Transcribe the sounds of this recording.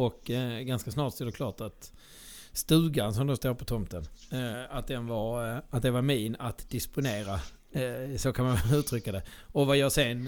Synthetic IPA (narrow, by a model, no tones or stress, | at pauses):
ɔkɡanskasnɑːʈsɔɛɖ̪ɛkʰlɑːʈat̪ | st̪ʉ̟ːɡans̬ɔmd̪ɔst̪oːɾpʰɔt̪ʰɔmt̪ənat̪̚d̪ɛnvaɾat̪̚d̪ɛvaɾmiːnat̪d̪ɪspʊneːɾa | sɔkʰanmanvɛlʉ̟ːt̪ʰɾʏkːad̪ɛɔvajɑːsɛn